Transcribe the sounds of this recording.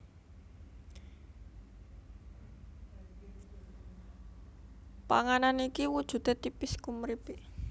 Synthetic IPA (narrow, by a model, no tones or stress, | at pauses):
paŋananikiwud̥ʒ̥ṳt̪at̪ipɪskumɾib̥eʔ